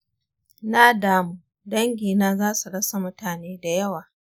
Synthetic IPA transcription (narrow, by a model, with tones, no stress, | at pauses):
na˦daː˦muː˦ | dɐ˦ŋɡʲiː˨naː˦zaː˦su˨ɽɐ˦sa˨mʊ˦taː˨neː˦da˨jɐ˦waː˨